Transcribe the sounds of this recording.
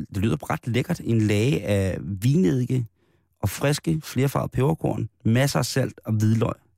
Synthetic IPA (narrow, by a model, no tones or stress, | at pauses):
d̥e̝ly̰ð̰ˠɐb̥ʁɑ̈d̥leɡ̥ɐd̥e̝nlɛːɪəʔæʋiːneð̰ˠɡ̥ə | ʔɒ̽fʁɛsɡ̥əfle̝ːɐfɑ̈ːð̩ˠpʰeʊɐkʰo̝ɐ̰nmæsɐæsæl̰d̥ɒ̽ʋiðˠlɒ̽ɪ̰